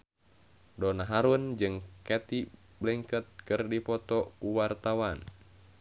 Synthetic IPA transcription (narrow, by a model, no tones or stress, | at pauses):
dɔnaɦaɾund͡ʒɨŋkɛt̪i | bliŋkət̪̚kɨrdipɔt̪ɔkuwart̪awan